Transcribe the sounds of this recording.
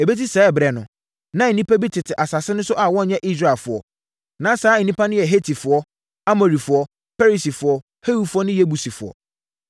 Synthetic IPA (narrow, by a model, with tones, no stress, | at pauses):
e˨be˦t̬i˦sɛː˦˨bɾɛ˨nʊ̃˨ | nã˦˨nĩ˦pʰa˦bi˦tʰɪ˨tʰɪ˨ʔa˨sa˨sɪ˦nʊ̃˦sʊ˦ʔa˨wɔ̃˦˨ɲã˦ʔi˦s̬ɾa˦˨lfʊ˨ɔ̰˨ | nã˨˦saː˨˦˨nĩ˦pa˦nʊ̃˦jɛ˨ɦe˦tʰi˨fʊ˨ɔ˦ | a˦mo˨ɾi˨fʊ˨ɔ˦ | fɛ˦ɾi˨si˨fʊ˨ɔ˦ | he˦wu˨fʊ˦ɔ˦nɪ̃˦je˦bu˨si˨fʊ˨ɔ̰˨